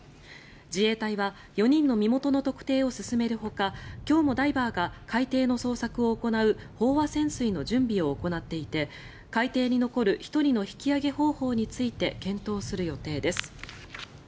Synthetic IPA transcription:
d͡ʑie̞ːt̪aiβa | jo̞ɲ̟ĩnːo̞mʲimo̞t̪o̞no̞t̪o̞kɯ̟̥t̪e̞ːo̞sɨsɨme̞ɾɯ̟ɦo̞kakʲo̞ːmo̞d̪aibaːɡakait̪e̞ːno̞so̞ːsakɯ̟o̞ːko̞naɯ̟ | ho̞ːβasẽ̞ɰ̃sɨino̞ʑɨ̃mbʲio̞ːko̞nat̪ːe̞it̪e̞ | kait̪e̞ːɲ̟ino̞ko̞ɾɯ̟çi̥t̪o̞ɾʲino̞çi̥kʲiaɡe̞ho̞ːho̞ːɲ̟it͡sɨit̪e̞kẽ̞nt̪o̞ːsɨɾɯ̟jo̞t̪e̞ːd̪e̞sɨ̥

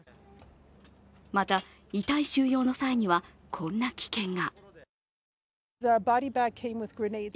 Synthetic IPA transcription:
mat̪a | it̪aiɕɨːjo̞ːno̞saiɲ̟iβa | kʰõ̞nːakʲi̥kẽ̞ŋɡa | ðəbɑɾibaɡ̚kʰẽɪ̃mwɪðɡɹɨneɪd

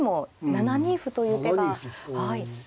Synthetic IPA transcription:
mo̞nanaɲ̟iɸɯ̟t̪o̞jɯ̟ːt̪eɡahai

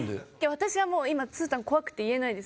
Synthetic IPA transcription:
d̪ḛkaβat̪aɕiɡamo̞ːimat͡sɨːt̪ãŋko̞βakɯ̟̥t̪ːe̞ie̞naid̪e̞s

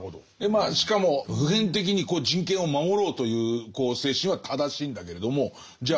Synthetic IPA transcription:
od̪o | emaːɕi̥kamo̞ɸɯ̟ɦẽ̞nt̪̬e̞k̬ʲiɲ̟iko̞ːd͡ʑĩŋkẽɰ̃o̞mamo̞ɾo̞ːt̪o̞jɯ̟ːko̞ːse̞ːɕĩɰ̃βat̪ʰad̪aɕiːnd̪ake̞ɾe̞d̪o̞mo̞ | d͡ʑa

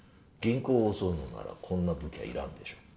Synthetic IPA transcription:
ɡ̥ẽ̞ŋko̞ːosoɯnona̰ɾa̰kʰõ̞nːabɯ̟kʲia̰ḭɾãnd̪e̞ɕo̞̥ː

